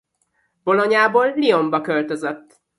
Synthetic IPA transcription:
b̥o̞loɲaːboːlːio̞mbɒkølt̪ø̞zøt̪ː

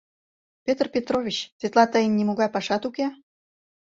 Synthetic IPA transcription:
pʲet̪rpʲet̪rovʲit͡ɕsvʲet̪lˠɑt̪əjənʲːimoɣɑjpɑʃɑt̪uke

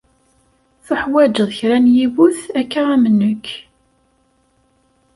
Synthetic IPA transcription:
θʊħwæd͡ʒəðˤçɾænjiwuθækːaʁæmənːəkː

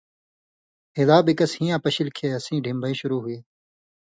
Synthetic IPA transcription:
ɦɪd̪aːbɪkɐshĩjãːpɐɕɪlkʰeːɐsĩːɖʱɪmbʱəĩːʃʊɾuːɦʊeː

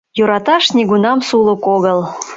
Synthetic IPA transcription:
joɾɑt̪ɑʃnʲiɣunɑmsulˠukoɣəl

